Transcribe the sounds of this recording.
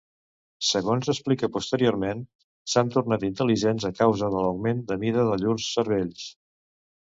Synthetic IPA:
səɣonzəsplikəpust̪əɾioɾmen | sant̪uɾnat̪int̪əliʒenzəkawzəðələwɡmend̪əmiðəðəʎuɾsːəɾβeʎs

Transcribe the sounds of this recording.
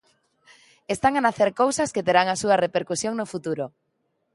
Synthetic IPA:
est̪aŋanaθeɾkowsasket̪eɾaŋasuɐrepeɾkusjoŋnofut̪uɾo

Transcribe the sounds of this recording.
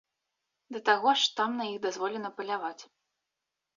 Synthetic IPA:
d̪ɐt̪aɣɔʂt̪amnɐjiɣd̪azvɔlʲɛnɐpɐlʲavat͡sʲ

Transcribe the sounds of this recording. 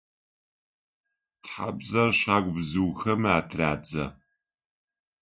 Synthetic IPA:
tħa̰bzɐrɕaːɡʷbzɨwxɐmaːtʰraːd͡zɐ

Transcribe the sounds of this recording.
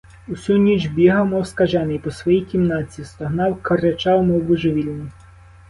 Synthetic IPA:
usʲunʲid͡ʒbʲiɦɐwmɔwskɐʒɛnɪjpɔsʋɔjijkʲimnɑt͡sʲist̪ɐɦnɑwkɐɾet͡ʃɑwmɔwʋʊʒɪʋʲilʲnʲi

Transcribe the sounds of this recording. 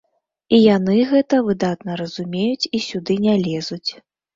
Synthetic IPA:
ijanɨɣɛt̪ɐvɨd̪at̪nɐɾɐzumʲejut͡sʲisʲud̪ɨnʲalʲɛzut͡sʲ

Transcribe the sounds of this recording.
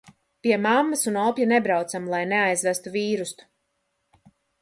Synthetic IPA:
piɛmamːasunɔpjanebɾawt̪samlˠajneajzvæst̪uviːɾust̪u̥

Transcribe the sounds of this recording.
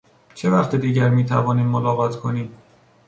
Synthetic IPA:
t͡ʃʰe̞væχt̪ʰed̪iːɟæɾmiːt̪ʰævɒːniːmːolɒːɣɒːt̪ʰkʰo̞niːm

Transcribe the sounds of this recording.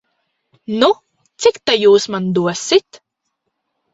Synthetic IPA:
nu | t̪sikt̪ajuːsmand̪uɔsit̪

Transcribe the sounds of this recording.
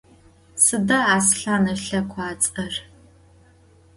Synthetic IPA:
sɨdɐaːsɬaːnɐɬɐkʷʰaːt͡sʼɐr

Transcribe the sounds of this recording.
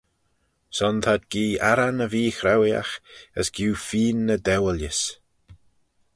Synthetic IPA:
sɔnt̪ʰad̪̚ɡ̥iːaɾanəviːxɾawja̰xə̰sɡ̥juːfiːnːəd̪ɛwəljəs

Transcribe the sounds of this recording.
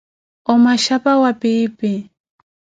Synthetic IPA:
omaʃapawapɪːpɪ

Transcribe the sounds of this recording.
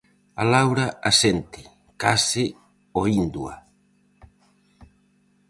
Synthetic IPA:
alawɾaasent̪ɪ̥ | kasɪ | oind̪ua̰

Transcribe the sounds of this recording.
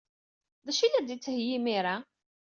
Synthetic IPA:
ðæʃilæd̪it͡sːhjimiɾa

